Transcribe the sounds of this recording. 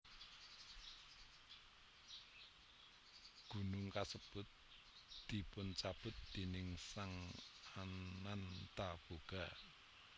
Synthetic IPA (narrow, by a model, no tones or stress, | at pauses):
ɡ̥ṳnʊŋkasəb̥ʊt̪̚ | d̪̥i̤pʊnt͡ʃab̥ʊ̤t̪̚d̪̥e̤nɪŋsaŋanant̪ab̥oɡ̥a